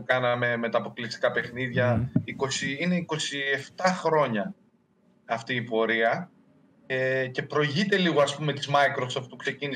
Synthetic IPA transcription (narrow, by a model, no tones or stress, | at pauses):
kɐnɐme̞me̞t̪ɐːpo̞klist̪i̥kɐpe̞xniðʝɐiko̞siine̞iko̞sie̞ft̪ɐxɾo̞ɲɐː | ft̪iːpo̞ɾiɐ | ece̞pɾo̞ʝit̪e̞liɣo̞ɐspume̞t̪izmɐikɾo̞soft̪ukse̞cini